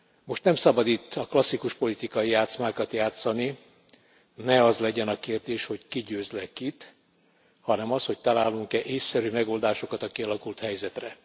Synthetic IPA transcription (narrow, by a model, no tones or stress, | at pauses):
mo̞ʃt̪nɛmsɒbɒd̪it̪ːɒklɒsːikuʃpo̞lit̪ikɒijaːt̪smaːkɒt̪jaːt̪sɒni | nɛɒzlɛɟɛnɒkeːrd̪eːʃho̞ckiɟøːzlɛkit̪ | hɒnɛmɒsho̞ct̪ɒlaːlːuŋkɛʔeːsːɛɾymɛɡo̞ld̪aːʃo̞kɒt̪ɒkiɒlɒkult̪hɛjzɛt̪rɛ